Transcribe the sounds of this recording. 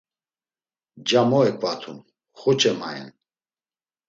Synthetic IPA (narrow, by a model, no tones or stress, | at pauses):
d͡ʒamɔɛkʼvat̪ʰun | χɔt͡ʃʼɛmaɛ̰n